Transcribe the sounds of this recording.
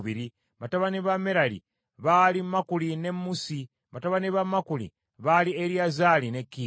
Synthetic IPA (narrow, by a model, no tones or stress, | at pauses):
βiɾi | βataβaniβameɾalḭ | βalimakuline̞mːusi | βataβaniβamakulḭ | βalieɾiazalinekːiː